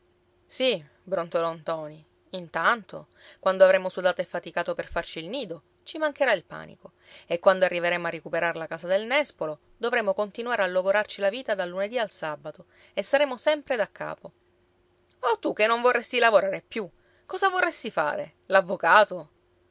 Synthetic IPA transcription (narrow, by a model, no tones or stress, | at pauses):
si | bɾont̪olɔnt̪ɔːniː | nt̪ant̪o̰ | kwand̪oavɾemosud̪aːt̪oefːat̪ikaːt̪operfart͡ʃiːlniːd̪o | t͡ʃimaŋkeɾailpa̰ːnḭko | ekːwand̪oarːiveɾeːmoarːekupeɾaɾelakaːsad̪elnɛspolo | d̪ovɾeːmokont̪inwaːɾealːoɡoɾart͡ʃilaviːt̪ad̪alːuned̪ialsabat̪o | esːaɾeːmosɛmpɾed̪akːa̰ːpo | ot̪ːukːenːõɱvorːɛst̪ilavoɾaːɾepju | kɔːzavorːɛst̪ifa̰ːɾḛ | lavːokaːt̪o